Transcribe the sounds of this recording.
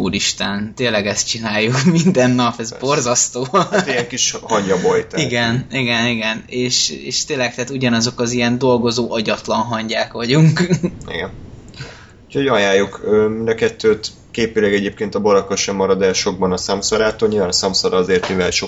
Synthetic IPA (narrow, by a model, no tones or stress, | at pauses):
uːɾiʃt̪ɛnt̪eːlːɛɡɛst̪̚t͡ʃinaːjːukmind̪ɛnːɒpɛzbo̞rzɒst̪oːt̪ijɛŋkiʃhɒɲjɒbojt̪iɡɛniɡɛniɡɛneːʃḛːʃt̪eːlɛk̚t̪ɛːt̪uɟɒnɒzo̞kɒzijɛnd̪o̞lɡo̞zoːʔɒɟɒt̪lɒnɦɒɲɟaːkʋɒɟuŋkḭɡɛn | ucho̞ɟɒjaːjokøːmind̪ɒkɛt̪ːøːt̪ | keːpilɛɡɛɟeːp̚keːnt̪ɒboɾɒkːoʃɛmːɒɾɒd̪ɛlʃo̞ɡ̚bɒnɒsamsoɾaːt̪oːlɲilvaːnɒsɒmsoɾɒɒzeːrt̪mivɛlʃo